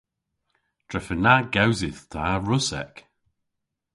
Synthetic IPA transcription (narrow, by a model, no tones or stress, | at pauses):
d̥ɹɛfənaɡawzɪθtʰaɹʊsɛ̰k